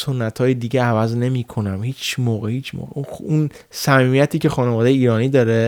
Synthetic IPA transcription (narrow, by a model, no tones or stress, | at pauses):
sonːæt̪ʰhɒːjed̪iːɟeævæzne̞miːkʰo̞næmhiːt͡ʃʰmɒːɣehiːt͡ʃʰmo̰ːɣḛuun | sæmiːmijæt̪ʰiːcʰe̞xɒːnevɒːd̪ejeiːɾɒːniːd̪ɒːɾe